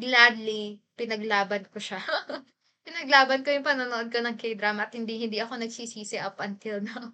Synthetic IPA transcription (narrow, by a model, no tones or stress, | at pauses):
ɡlad̪lipɪnɐɡlaːbɐnkoʃɐ | pɪnɐɡlaːbɐnko̞jʊŋpɐnonoʔo̞d̪̚ko̞nɐŋkɐjd̪ɾaːmɐɐt̪̚hɪnd̪ihɪnd̪iʔɐko̞nɐɡ̚siːsiːsɛʔɐpʔɐnt̪ɪlnɐ